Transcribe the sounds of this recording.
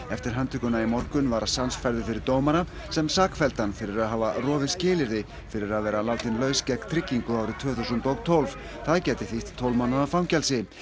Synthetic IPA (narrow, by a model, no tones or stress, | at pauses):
ɛft̪ɪɾ̥ɦant̪ʰʏkʏnaimɔr̥kʏnvaːɾasansfaɾðʏfɪɾɪɾt̪oːwmaɾa | sɛmsaːkfɛlt̪anfɪɾɪɾaðɦaːvarɔːvɪscɪːlɪɾðɪ | fɪɾɪɾaðvɛːɾalaːwt̪ɪnlœːɥscɛkt̪ʰɾɪcːiŋkʏaːwɾʏt̪ʰvœːθuwsʏnt̪owɣt̪ʰolv̥ | θaðcɛːt̪ɪθiht̪ʰːowlvmanːaðafɾawmcɛlsɪ